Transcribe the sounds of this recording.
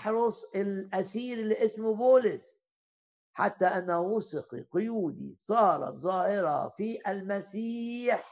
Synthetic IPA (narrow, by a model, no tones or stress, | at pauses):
ħɾˤʊsˤɪlʔasiːɾlɪʔɪsmʊbuːlɪs | ħat̪ːaʔanːawʊsˤɪqḭqʊjuːd̪ḭsˤɑːɾˤɑ̰zˤɑːhɪɾɑ̰fiʔalmasiːħ